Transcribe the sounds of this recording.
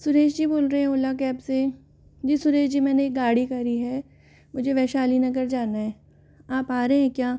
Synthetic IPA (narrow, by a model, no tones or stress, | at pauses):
sʊɾeːʃd͡ʒiboːlɾɐɦeɦɛ̃ʊlak̬ɛːpse | d͡ʒiːsʊɾeːʃd͡ʒimɛːneːk̚ɡaːɽikɐɾiɦɛ | mʊd͡ʒʱeʋɛːʃaːlinɐɡəɾd͡ʒaːnaɦɛː | aːpaːɾeɛ̃kjaː